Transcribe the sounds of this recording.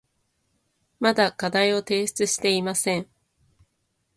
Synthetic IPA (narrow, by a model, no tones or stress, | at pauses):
mad̪akad̪aio̞t̪e̞ːɕɨ̥t͡sɨɕi̥t̪e̞imasẽ̞ɴ